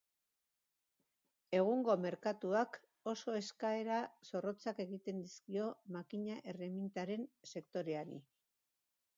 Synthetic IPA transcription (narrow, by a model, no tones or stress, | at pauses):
e̞ɣ̞uŋɡo̞me̞ɾkat̪uak | o̞so̞e̞skae̞ɾaso̞ro̞t͡sake̞ɣit̪e̞nd̪iskio̞makiɲaʔe̞re̞mint̪aɾe̞nse̞kt̪o̞ɾe̞anḭ